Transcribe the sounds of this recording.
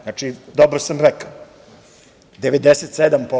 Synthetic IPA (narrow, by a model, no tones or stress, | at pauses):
at͡ʃid̪obɾosamɾɛkao | d̪eʋed̪eset̪sed̪ampo